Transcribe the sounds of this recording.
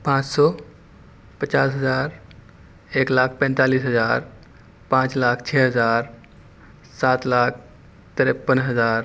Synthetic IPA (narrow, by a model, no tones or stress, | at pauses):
pãːt͡ʃsɔː | pət͡ʃaːsɦəzaːɾ | eːklaːk̚ʰpɛ̃nt̪aːliːsɦəzaːɾ | pãːt͡ʃlaːkʰt͡ʃʰɛːɦəzaːɾ | saːt̪laːk̚ʰ | t̪əɾepːənɦəzaːɾ